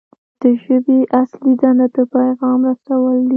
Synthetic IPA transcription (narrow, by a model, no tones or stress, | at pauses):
d̪̥əʒəbeʔaslid̪anad̪əpajɣɑmɾasawəld̪i